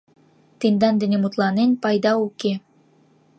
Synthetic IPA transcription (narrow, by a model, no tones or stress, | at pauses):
t̪end̪ɑnd̪enemut̪lˠɑnenpɑjd̪ɑuke